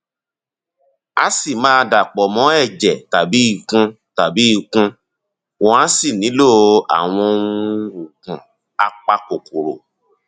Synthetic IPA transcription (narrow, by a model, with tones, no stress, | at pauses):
a˦si˦˨mãː˦˧da˨k͡pɔ˨mɔ̃˨˦ɛ˦˨d͡ʒɛ˨ta˨bi˨˦i˦˧˨kũ˧ | ta˨bi˨˦i˧kũ˧ | wɔ̃˨ã˨˦si˦˨nĩ˨˦lo˦˨a̰˨w̃ɔ̃˧˦ũ˦u˨kũ˨ | a˨k͡pa˧ko˨ku˨ɾo̰˨